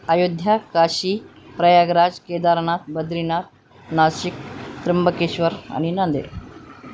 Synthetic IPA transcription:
əjod̪ʱjakaɕipɾəjaɡɾad͡zked̪aɾɳat̪̚bəd̪ɾinat̪̚ | naɕik̚t̪ɾəmbəkeɕʋəɾa̰ñinand̪ḛɾ

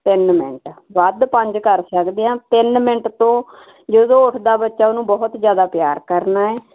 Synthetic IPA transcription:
t̪ɪnmɪ̰̃ɳʈʋəd̪pəɲd͡ʒkəɾsəkd̪ejãːt̪ɪnmɪ̃ɳʈt̪õː | d͡ʒəd̪õːʊʈʰd̪aːbətːʃaːonũːbɔːʊt̪zjaːd̪aːpjaːɾkəɾnaːɛː

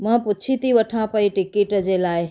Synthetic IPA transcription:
mə̃put͡ʃʰit̪iʋəʈʰãpəiʈikiʈd͡ʒelaːj

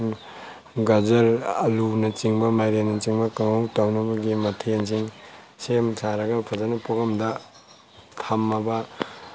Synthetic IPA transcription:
ɡɐzɐɾɐlunɐt͡ʃiŋbɐmajɾenɐt͡ʃiŋbɐkɐŋawtawnɐbɐɡimɐtʰensiŋ | semsʰaɾɐɡɐpʰɐzanɐpoɡɐmdɐ | tʰamːɐbɐ

